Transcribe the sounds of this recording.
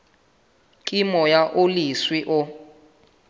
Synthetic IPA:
kʼimɔjaʔoliswiʔʊ

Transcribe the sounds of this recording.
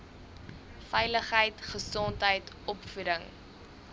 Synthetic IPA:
fɛjləχɦəjtχəsɔntɦəjtʔɔpfuɾəŋ

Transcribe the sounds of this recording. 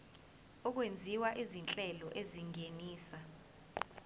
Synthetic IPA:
ɔk̬wend͡zʱiwaʔizint͡ɬʼɛlɔʔeziŋeniːsa

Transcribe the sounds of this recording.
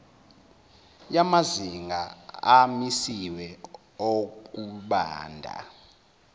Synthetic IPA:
jamaziŋɡʱaamisiwɛ | ok̬uɓa̰ːndʱa̰

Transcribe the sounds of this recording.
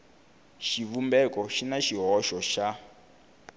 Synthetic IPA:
ʃiβumbɛkɔʃinaʃiɦɔʃɔʃa

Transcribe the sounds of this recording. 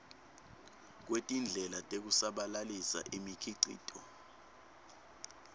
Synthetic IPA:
k̬wetʼind͡ɮʱɛlatʼek̬usaɓalalisa̰ʔimikʰiǀḭːtʰʼɔ

